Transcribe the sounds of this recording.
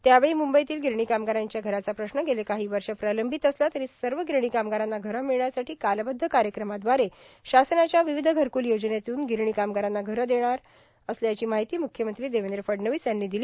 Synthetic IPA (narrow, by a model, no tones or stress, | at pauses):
t̪jaʋeɭiːmumbəjt̪iːlɡʱiɾɳiːkamɡaɾaɲt͡ɕjaɡʱəɾat͡sapɾəɕnəɡelekaɦiːʋəɾʂəpɾaləmbʱit̪əslat̪əɾiːsəɾʋəɡiɾɳ̃iːkamɡaɾãnːaɡʱəɾəmiɭɳjasaʈʰiːkalbəd̪ʱːəkaɾjəkɾəmad̪ʋaɾe | ɕasənat͡ɕjaʋiʋid̪ʱəɡʱəɾkuːljod͡ʑnet̪uːnɡʱiɾɳ̃iːkamɡaɾãnːaɡʱəɾəd̪eɽ̃aɾ | əsljat͡ɕiːmaɦit̪iːmukʰjəmənt̪ɾiːd̪eʋend̪ɾəfəɖnəʋiːsjanːiːd̪iliː